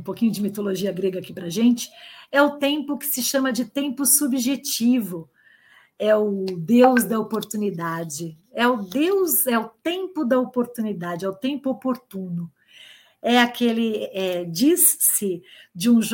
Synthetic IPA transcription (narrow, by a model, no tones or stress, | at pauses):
pokĩɲʊd͡ʒɪmit̪oloʒiɐɡɾeɡɐaːkipɾɐʒẽnt͡ʃɪ̥ɛʊt̪ẽmpʊkɪ̥sɪʃɐ̃mɐd͡ʒɪt̪ẽmpʊsubiʒet͡ʃivʊ | ɛʊd̪ewzd̪ɐopoɾt̪unid̪ad͡ʒɪ | ɛʊd̪ewzɛʊt̪ẽmpʊd̪ɐopoɾt̪unid̪ad͡ʒɪɛʊt̪ẽmpʊopoɾt̪ũnʊ | ɛakʰelɪɛd͡ʒissɪd͡ʒɪũʒ